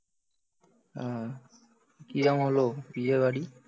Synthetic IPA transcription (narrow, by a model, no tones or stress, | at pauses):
a | kiamɦolobiebaɽi